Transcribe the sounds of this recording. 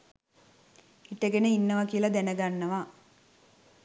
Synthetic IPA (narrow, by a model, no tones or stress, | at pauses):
iʈəɡenəinːəʋakiəlɐd̪ænəɡanːəʋa